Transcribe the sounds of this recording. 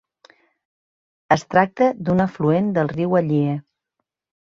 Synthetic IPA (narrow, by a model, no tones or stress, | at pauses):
əst̪ɾak̚t̪əd̪unəfluend̪əlˠriwəʎee